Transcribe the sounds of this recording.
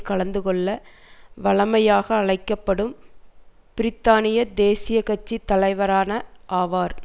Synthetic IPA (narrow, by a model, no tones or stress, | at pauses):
kɐɭɐnd̪ɯkɔɭːɐ | ʋɐɭɐmɐjaːɣɐːɭɐɪkːɐpːɐɽɯm | pɪɾɪt̪ːaːnɪjɐd̪eːsɪjɐkɐt͡ʃːit̪ːɐlɐɪʋɐɾaːnɐʔaːʋaːɾ